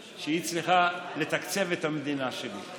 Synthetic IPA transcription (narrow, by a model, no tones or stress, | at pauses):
ʃeit͡sliχale̞t̪akt͡se̞vet̪hamed̪inaʃelḭ